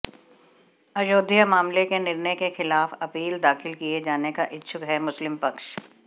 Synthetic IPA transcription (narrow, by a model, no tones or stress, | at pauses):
ɐʃoːd̪ʱjəmaːmlekenɪɾnəjkexɪlaːfɐpiːld̪aːxɪlkied͡ʒaːnekaʔɪtːʃʰʊkɦɛmʊslɪmpɐkʃ